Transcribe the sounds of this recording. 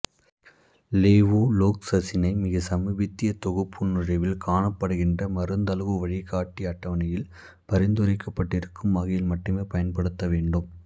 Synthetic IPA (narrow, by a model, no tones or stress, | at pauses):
leːʋoːloːksɐsɪnɐɪmɪɣɐsɐmɐbɪt̪ːɪjɐt̪ɔɣɯpʰːɯnɯrɐɪʋɪlkaːɳɐpːɐɽɯɣɪndrɐmɐɾɯnd̪ɐlɐɣɯʋɐɻɪkaːʈːiɐʈːɐʋɐnɐjɪl | pɐɾɪnd̪ɯɾɐɪkːɐpːɐʈːɪɾɯkːɯmʋɐɣɐjɪlmɐʈːɯmeːpɐjɐnpɐɽɯt̪ːɐʋeːɳɖɯm